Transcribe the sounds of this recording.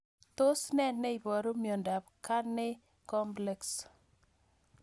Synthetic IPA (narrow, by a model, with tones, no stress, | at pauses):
t̪o˦snɛ˦nnːɛ˦i˨bɔ˨ɾo˦mjɔ˨nda˨pka˦nɪ˦ | kɔ˦mplɛ˨ks